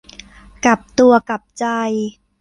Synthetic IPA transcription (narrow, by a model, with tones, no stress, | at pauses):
ka˨˩p̚t̪u˧ɐka˨˩p̚t͡ɕa˧j